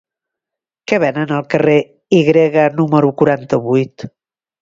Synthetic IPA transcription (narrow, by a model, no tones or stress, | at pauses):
kɛβɛnənəlˠkəre | iɣɾeɣənuməɾukuɾant̪əβujt̪